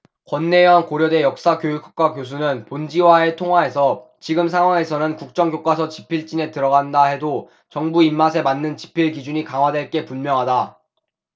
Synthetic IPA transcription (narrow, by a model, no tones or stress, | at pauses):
kwʌnːe̞ankoɾjʌde̞jʌk̚s͈akjojukʰo̥k̚k͈wakjos̬ʰunɯnpond͡ʑiwae̞tʰoŋɦwae̞sʰʌ | t͡ɕiɡɯmsʰaŋɦwaŋe̞sʰʌnɯnkuk̚t͡ɕ͈ʌŋɡjok͈asʰʌt͡ɕi̥pʰiɭt͡ɕ͈ine̞tɯɾʌɡandaɦe̞do | t͡ɕʌŋbuimːas̬ʰe̞manːɯnt͡ɕi̥pʰiɭkid͡ʑuɲikaŋɦwadwe̞ɭk͈e̞punmjʌŋɦada